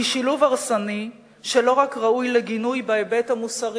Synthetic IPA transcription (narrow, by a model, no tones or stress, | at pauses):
iʃiluvaʁsani | ʃe̞lo̞ʁakʁaujleɡinujbaebethamusaʁ